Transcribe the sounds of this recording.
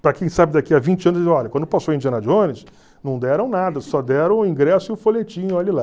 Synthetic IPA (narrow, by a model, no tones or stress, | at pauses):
pɾɐkẽj̃sabɪd̪akiavĩnt͡ʃɪɐ̃nʊzz̃ɔʎɐkwɐ̃nd̪ʊpasowẽd͡ʒiɐ̃nɐd͡ʒõnɪs | nɐ̃w̃d̪ɛɾɐ̃w̃nad̪ɐsɔd̪ɛɾɐ̃w̃ĩɡɾɛsʊiʊfolet͡ʃĩɲʊɔʎɐla